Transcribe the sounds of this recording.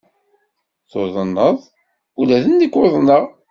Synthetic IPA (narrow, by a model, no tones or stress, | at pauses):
θoɾðˤənːəðˤ | ulæðənːikːʊðˤnəʁ